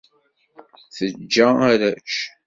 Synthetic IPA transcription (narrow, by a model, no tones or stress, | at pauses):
θəd͡ʒːæaɾæt͡ʃ